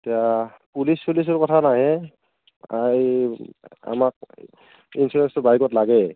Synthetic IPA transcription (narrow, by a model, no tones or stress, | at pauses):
etija | pulispulis̬ɔɹkɔtʰanaɦɛ | a | a̰mak̚ | insuɹɛnstʊbajkɔtlaɡɛ